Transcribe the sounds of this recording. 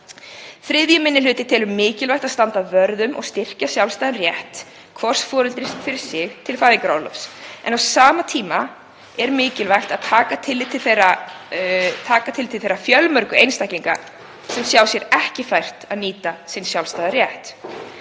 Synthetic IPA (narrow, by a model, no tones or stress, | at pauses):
θɾɪðjʏmɪnːɪlʏːt̪ɪt̪ʰɛːlʏmːɪːcɪlvajxt̪aðst̪ant̪avœɾðʏmʔɔ̰ɣst̪ɪr̥casjawlst̪ajðanrjɛht̪ | kʰvɔr̥sfɔːɾʏlt̪ɾɪsfɪɾɪɾ̥sɪxt̪ʰɪlfaːðiŋkɾalɔfsɛ̰nawsaːmat̪ʰiːma | ɛɾmɪːcɪlvajxt̪aðt̪ʰaːkat̪ʰɪlːɪt̪ʰːɪlθejɾa | t̪ʰaːkat̪ʰɪlt̪ʰɪlθejɾafjœlmœɾkʏejnst̪ajhciŋka̰ | sɛmsjaːwsjɛɾɛhcɪfajr̥t̪aðniːt̪asinsjawlst̪ajðaɾjɛht̪